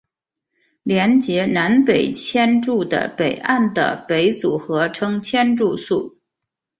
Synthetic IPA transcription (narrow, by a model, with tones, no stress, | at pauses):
ljɛ˧˥nt͡ɕjɛ˧˥na˧˥npe˨˩ɪt͡ɕʰjɛ˥nʈ͡ʂu˥˩d̪ə̰˩pe˨˩ɪʔa˥˩nd̪ə̰˩pe˧˥ɪt͡su˨˩xɤ˧˥ʈ͡ʂʰɤ˥ŋt͡ɕʰjɛ˥nʈ͡ʂu˥˧su˥˩